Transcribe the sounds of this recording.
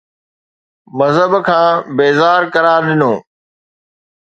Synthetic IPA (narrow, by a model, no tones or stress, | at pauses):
mɐzɦəbkʰãːbeːzaːɾkɐɾaːɾɗɪnoː